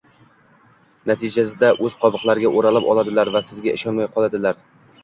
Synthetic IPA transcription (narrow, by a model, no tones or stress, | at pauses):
nat̪ʰɪd͡ʒasɪd̪aʔɵzqʰɒbɨqlˠaɾɪɡʲaʔoɾalɪpɒ̰lˠad̪ɪlaɾvasɪzɡʲaʔɪʃɒnmajqʰɒlˠad̪ɪlaɾ